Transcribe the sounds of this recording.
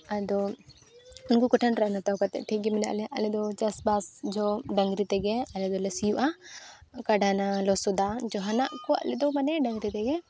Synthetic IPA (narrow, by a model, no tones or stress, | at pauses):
ad̪ɔ | unkukɔʈʰənɾaʔnat̪akat̪ɛ̰ʔʈʰiɡimɛna̰ʔlɛʔalɛd̪ɔt͡ʃasbasd͡ʒɔɖaŋɡɾit̪ɛɡɛalɛd̪ɔlɛsijuʔa | kaɖanalɔsɔd̪ad͡ʒɔɦanaʔkɔwa̰ʔlɛd̪ɔmanɛɖaŋɡɾit̪ɛɡɛ